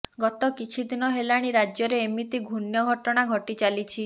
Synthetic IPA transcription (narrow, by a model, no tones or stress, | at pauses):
ɡɔt̪ɔkit͡ʃʰid̪inɔɦelaɽ̃iɾad͡ʒjɔɾeːmit̪iɡʱunjɔɡʱɔʈɔɽ̃aɡʱɔʈit͡ʃalit͡ʃʰi